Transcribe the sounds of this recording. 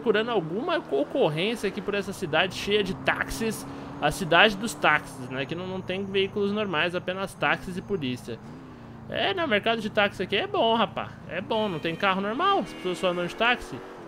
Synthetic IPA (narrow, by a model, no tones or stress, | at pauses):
pokuɾɐ̃nd̪ʊawɡũmɐkokoɦẽsjɐakɪpʊɾɛsɐsid̪ad͡ʒɪʃejɐd͡ʒɪt̪a̰ksɪs | ɐsid̪ad͡ʒɪd̪ʊst̪aksɪsnɛkɪnɐ̃w̃nɐ̃w̃t̪ẽj̃veikʊlʊznoɾmajzapẽnɐst̪aksɪzɪpolisiɐ | ɛ̰nɐ̃w̃ʊmeɾkad̪ʊd͡ʒɪt̪aksɪakiɛbõhapa̰ | ɛ̰bõnɐ̃w̃t̪ẽj̃kaɦʊnoɾmawspe̥soɐsfɔɐ̃nd̪ɐ̃d͡ʒɪt̪aksɪ